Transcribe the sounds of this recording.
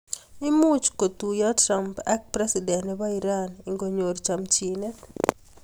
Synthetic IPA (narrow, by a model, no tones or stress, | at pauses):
imut͡ʃkot̪ujatɾampɛk̚pɾɛsidɛnɛbaiɾaniŋɡoɲoɾt͡ʃamt͡ʃinet